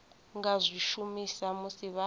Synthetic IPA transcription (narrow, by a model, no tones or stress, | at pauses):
ŋɡazʷiʃumisamusiβa